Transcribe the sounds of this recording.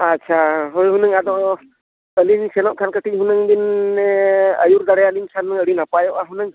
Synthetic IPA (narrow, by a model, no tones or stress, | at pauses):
atːt͡ʃʰaɦojɦunɯŋad̪ɔ | əliɲsɛnɔʔkʰankəʈiɦunəŋd̪in | əjuɾd̪aɽɛjaliɲsʰanːɯŋəɽinapajɔʔaɦunəŋ